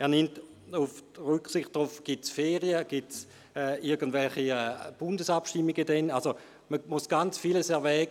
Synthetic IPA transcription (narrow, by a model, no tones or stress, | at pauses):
ɛːɐnɪmt | ufʁʏksiχt̚d̥ʁufɡ̥it͡sfɛːʁiəɡ̥it͡s | ɛːʔiɐɡən̩dvɛlχiɛb̥ʊndəsapʃtimːiɡədɛnalso | məmusɡ̥ant͡sfiləsɛɐvɛːɡə